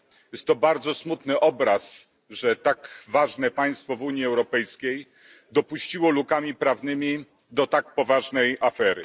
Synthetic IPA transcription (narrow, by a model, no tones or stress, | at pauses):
jɛst̪ːɔbaɾd̪zɔsmut̪nɘʔɔbɾas | ʐɛt̪akvaʐnɛpaj̃st̪fɔvuɲjiɛwɾɔpɛjskʲej | d̪ɔpuɕt͡ɕiwɔlukamʲipɾavnɘmʲi | d̪ɔt̪akpɔvaʐnɛjafɛɾɘ̰